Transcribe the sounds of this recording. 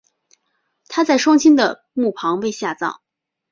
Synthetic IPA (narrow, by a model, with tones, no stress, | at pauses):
t̪ʰa˥t͡sa˥˩ɪʂwɑ˥ŋt͡ɕʰi˥nd̪ə̰˨ | mu˥˩pʰɑ˧˥ŋwe˥˧ɪɕja˥˧t͡sɑ̰˥˩˦ŋ